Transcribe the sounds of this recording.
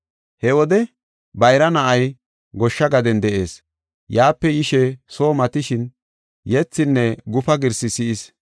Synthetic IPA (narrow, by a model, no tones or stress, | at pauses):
hɛwɔd̪ɛ | bɐjɾɐnɐʔɐj | ɡɔʃːɐɡɐd̪ɛnd̪ɛʔe̞̰ːs | jaːpːɛjɪʃɛso̞ːmɐt̪ɪʃɪn | jɛt͡sːɪnːɛɡʊfɐɡɪɾsɪsɪʔɪs